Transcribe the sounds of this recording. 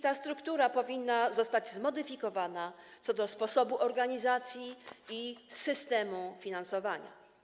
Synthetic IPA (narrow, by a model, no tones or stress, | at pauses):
t̪ast̪ɾukt̪uɾapɔvʲinːazɔst̪ad͡ʑzmɔd̪ɘfʲikɔvana | t̪ɔd̪ɔspɔsɔbuʔɔɾɡaɲizat̪sʲjiisɘst̪ɛmufʲinansɔvaɲa̰